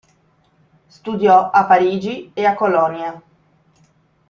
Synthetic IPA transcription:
st̪ud̪jɔapːaɾiːd͡ʒieakːolɔnja

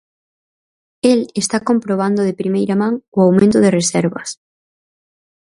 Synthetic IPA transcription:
elest̪akompɾoβ̞and̪ʊðepɾimejɾɐmãŋʊawmẽnt̪ʊðɪresɛɾβɐs

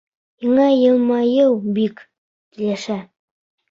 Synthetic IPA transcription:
jɤ̆ɴɑjɤ̆lˠmɑjɤwbik | t̪ilæʃæ

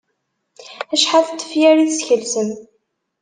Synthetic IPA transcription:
æʃħaθt̪ːə̥fjæɾiθsçəlsən

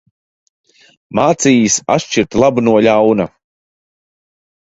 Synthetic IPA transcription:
maːt̪siːjisa̰tʃt͡ʃiɾt̪lˠabunuɔʎʲawna̰

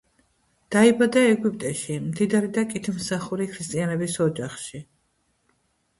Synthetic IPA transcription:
d̪̥aibad̪aɛɡup̚ʼt̪ʼɛʃimd̪id̪aɾid̪akʼit̪ʰmsaχuɾikʰɾist̪ʼianɛbisɔd͡ʒaχʃi

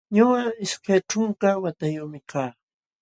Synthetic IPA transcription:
ɲʊɢaɪskajʈ͡ʂʊŋkawat̪ajomɪkʰaː

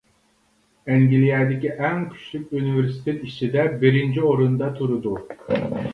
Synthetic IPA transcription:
ɛŋɡʲilijɛd̪ɪkʲiʔɛŋkʲʰy̥ʃlykʲuniveɾsi̥t̪ʰet̪it͡ʃʰid̪ɛbɪɾɪnt͡ʃʰioɾund̪ɑt̪ʰuɾud̪u

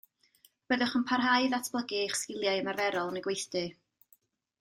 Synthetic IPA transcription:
b̥əðʊχənpʰarɦajðatʰb̥lˠəɡɨχskɪlˠjajəmarvɛɾɔlˠnəɡwejθd̥ɨ

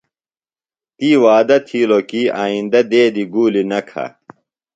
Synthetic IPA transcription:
t̪iːwaːd̪ɐt̪ʰiːlokiaːĩnd̪ɐd̪eːd̪iɡuːlinɐkʰɐ̰

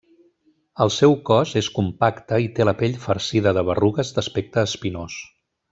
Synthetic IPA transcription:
əlˠsɛwkɔzeskumpakt̪əit̪eləpeʎfəɾsiðəðəβ̞əruɣəzd̪əspek̚t̪əːspinos

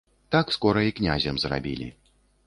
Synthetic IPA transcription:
t̪akskɔɾɐiknʲazʲɐmzra̰bʲilʲḭ

